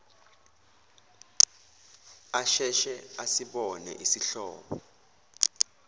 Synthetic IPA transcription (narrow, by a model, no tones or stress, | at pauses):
aʃɛʃɛasiɓɔnɛ̰ʔisiɬɔ̰ːɓɔ